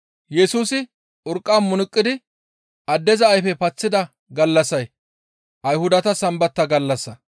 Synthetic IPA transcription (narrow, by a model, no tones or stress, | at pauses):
jɛsuːsɪ | ʔʊɾkʼːaːnmʊnʊkʼːɪd̪ɪ | ɐd̪ːɛzɐɐjfɛpɐt͡sːɪd̪ɐ | ɡɐlːɐsɐj | ʔɐjhʊd̪ɐt̪ɐsɐmbɐt̪ːɐɡɐlːɐsːɐ